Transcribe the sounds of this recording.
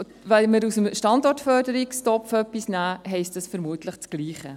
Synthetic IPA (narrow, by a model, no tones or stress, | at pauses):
ʋɛməɾusəmʃtɑndɔɾtfœːɾd̥əɾikstɔpfœpːisnæːɦɛɪstɑsfəɾmuətləχt͡sɡ̥liːχə